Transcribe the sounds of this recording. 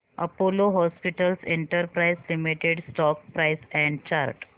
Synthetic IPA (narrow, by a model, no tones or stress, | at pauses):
ə̰poloɦɔspiʈəlseɳʈəɾpɾajslimiʈeɽsʈɔk̚pɾajsɛ̃ɳɖt͡ɕaɾʈ